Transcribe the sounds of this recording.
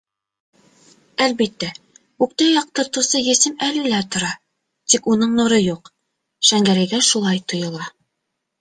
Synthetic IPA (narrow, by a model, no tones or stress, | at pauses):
ælbit̪ːæ | ʉkt̪ɑjɑq̚t̪ɤ̆ɾt̪usɤjɘ̆sɘmælɘ̆læt̪ŏɾɑ | t̪ikunɤɴnŭɾɤjuq | ʃæŋɡæɾæɡæʃulˠɑjt̪ŏjɤ̆lˠɑ